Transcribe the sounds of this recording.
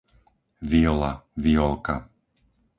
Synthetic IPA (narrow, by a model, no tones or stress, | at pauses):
ʋiɔla̰ʋiɔlka̰